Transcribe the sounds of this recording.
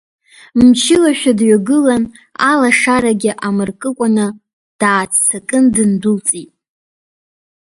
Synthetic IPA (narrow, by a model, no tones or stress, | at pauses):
mt͡ʃʰɪlaʃᶣadɥaɡɨlan | alaʂaɾaɡʲɪʔamɨrkʼɨkʷʼanɨ | d̥aːt͡sʰt͡sʰakʼɨndɨndult͡sʼitʼ